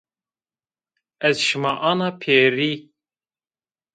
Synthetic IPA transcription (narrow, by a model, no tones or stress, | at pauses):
ɛzʃɨmɑːʔɑnɑːpʰeːɾiː